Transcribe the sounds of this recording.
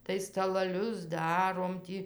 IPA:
tɐɪ stɐlˠɐˈlʲʊs ˈdɑːroːm tʲiː

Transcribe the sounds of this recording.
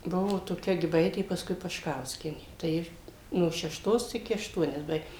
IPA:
ˈbʊʋoː toːˈkʲɛ ɡʲɪˈbɐɪtʲeː pɐskʊɪ pɐʃˈkɐʊsʲkʲiɛnʲeː tɐɪ ˈjɪ noː ʃʲɛʃˈtoːs ɪˈkʲɪ ɐʃˈtuɔnʲɛs ˈbɐɪk

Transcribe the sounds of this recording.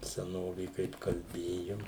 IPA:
sʲɛˈnoːʋʲeː ˈkɐɪp kɐlʲˈbʲeːjoːm

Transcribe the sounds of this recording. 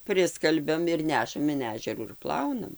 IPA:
ˈpʲrʲɪskɐlʲbʲɛm ɪr ˈnʲæːʃɐm ɪn ˈæːʒʲɛruː ɪr ˈplˠɐʊnɐm

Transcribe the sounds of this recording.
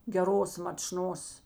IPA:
ɡʲɛˈroːs mɐt͡ʃˈnoːs

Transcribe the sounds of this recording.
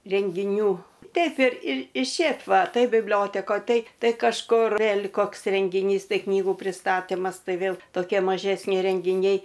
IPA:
rʲɛŋʲɡʲɪˈnʲuː ˈtʲɛɪp ɪr ɪr ɪ ˈʃʲeːp ˈʋɐ ˈtɐɪ bʲɪbʲˈlʲoːtʲɛkoːj ˈtɐɪ ˈtɐɪ kɐʃˈkʊr ʋʲeːlʲ ˈkoːks rʲɛŋʲɡʲɪˈnʲiːs ˈtɐɪ ˈknʲiːɡuː pʲrʲɪstɐˈtʲɪmɐs ˈtɐɪ ˈʋʲeːlˠ toːˈkʲiɛ mɐʒʲɛsʲˈnʲɪ rʲɛŋʲɡʲɪˈnʲɛɪ

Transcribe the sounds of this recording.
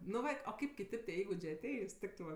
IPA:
nʊ ˈʋɐ oː ˈkɐɪp kʲɪˈtʲeːp tʲiɛ ˈiːɡʊd͡ʒʲeː ɐˈtʲɛɪs ˈtʲɪktɜ ʋɐ

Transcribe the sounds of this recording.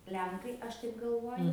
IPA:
ˈlʲɛŋkɐɪ ˈɐʃ tɐɪp ɡɐlˠˈʋoːjʊ

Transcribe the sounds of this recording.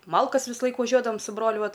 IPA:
ˈmɐlˠkɐs ʋʲɪsˈlˠɐɪk ʋɐˈʒʲuɔdɐʋɐm sʊ ˈbroːlʲʊ ˈʋɐt

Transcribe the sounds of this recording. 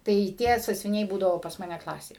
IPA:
tɐɪ ˈtʲiɛ sɑːsʲʋʲɪˈnʲɛɪ ˈbuːdɐʋoː pɐs ˈmɑːnʲɛ ˈklˠɑːsʲeː

